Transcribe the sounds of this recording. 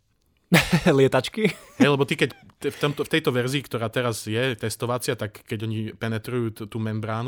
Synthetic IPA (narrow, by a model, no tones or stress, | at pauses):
lɪɛt̪at͡ʃkiɦɛjlɛbɔt̪ikɛc | t̪ɛft̪ɔmt̪ɔft̪ɛjt̪ɔʋɛɾziːkt̪ɔɾaːt̪ɛɾazjɛt̪ɛst̪ɔʋat͡sɪat̪akːɛɟɔɲipɛnɛt̪ɾujuːt̪uːmɛmbɾaːn